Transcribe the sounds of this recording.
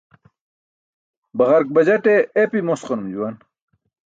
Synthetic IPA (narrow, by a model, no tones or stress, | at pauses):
bɐʁɐɾk̚bɐd͡ʑɐʈeːpimosqonumd͡ʑuwan